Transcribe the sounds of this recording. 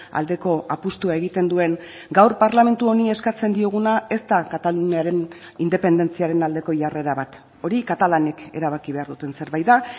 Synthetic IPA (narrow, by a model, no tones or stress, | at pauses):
a̰ld̪e̞ko̞ʔapust̪uae̞ɣit̪e̞nd̪ue̞ŋ | ɡawɾpaɾlame̞nt̪uo̞nie̞skat͡se̞nd̪io̞ɣ̞unae̞st̪akat̪aluniaɾen | ind̪e̞pe̞nd̪e̞nt͡siaɾe̞nald̪e̞ko̞ʝare̞ɾaβat̪ | o̞ɾikat̪alane̞ke̞̰ɾaβ̞akiβe̞aɾðut̪e̞nse̞ɾβajða